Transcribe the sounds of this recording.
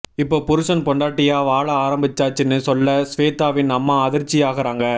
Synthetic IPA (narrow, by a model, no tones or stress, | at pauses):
ɪpːoːpʊɾɯʂɐnpɔɳɖaːʈːɪjaːʋaːɭɐaːɾɐmbɪt͡ʃːaːt͡ʃːɪnːɯsɔlːɐsʋeːt̪aːʋɪnnɐmːaːɐðɪɾt͡ʃːɪjaːɣɐɾaːŋɡɐ